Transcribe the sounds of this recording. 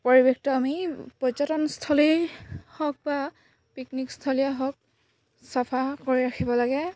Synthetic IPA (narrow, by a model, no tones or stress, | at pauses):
poɹibekʰtɔamipɔzɔtɔnstʰɔlihɔk̚ba | piknikstʰɔliaɦɔk̚ | sapʰakoɹiɹaxʰibɔlaɡɛ